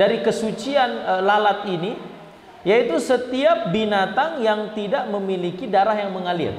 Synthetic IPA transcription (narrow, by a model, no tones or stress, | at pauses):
daɾikəsut͡ʃianlalat̪̚ini | jait̪usət̪iap̚binat̪aŋjaŋt̪idaʔməmilikidaɾahjaŋməŋalḭr